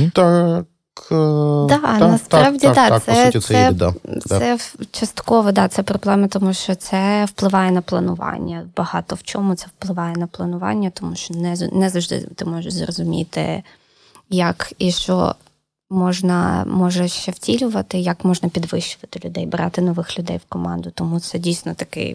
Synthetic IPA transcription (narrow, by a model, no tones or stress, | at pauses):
t̪a | k | d̪ɑnɐspɾɑwdʲid̪ɑsɛsd̪aɛt͡ʃɐst̪kɔʋɔd̪ɑt̪sɛpɾɔblˠɛmɐt̪ɔmuʃt͡ʃɔt̪sɛwplˠɪʋɑjɛnɐplˠɐnʊʋɑ̰nʲːɐbɐhɑt̪ɔwt͡ʃɔmʊt̪sɛwplˠɪʋɑjɛnɐplˠɐnʊʋɑ̰nʲːɐt̪ɔmuʃt͡ʃɔnɛnɛzɐʒd̪ɪ̰t̪ɪmɔʒɐʃzrɔzʊmʲḭt̪ɪ̰ | jɐkiʃt͡ʃɔ̰ | mɔʒnɐ̰mɔʒɛʃt͡ʃɛwtʲilʲʊʋɐt̪ɪjɐkmɔʒnɐpʲid̪ʋɪʃt͡ʃʊʋɐt̪ɪlʲʊd̪ɛjbɾɑ̰t̪ɪnɔʋɪxlʲʊd̪ɛjwkɔmɑ̰nd̪ʊt̪ɔmut̪sɛdʲijsʲnɔt̪ɐkɪ̰